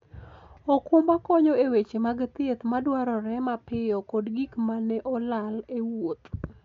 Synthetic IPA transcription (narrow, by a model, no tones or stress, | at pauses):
ɔkʊmbakɔɲɔewet͡ʃemaɡt̪ɪt̪madwaɾɔɾɛmapɪjɔkɔdɡikmanɛʔɔlalewot̪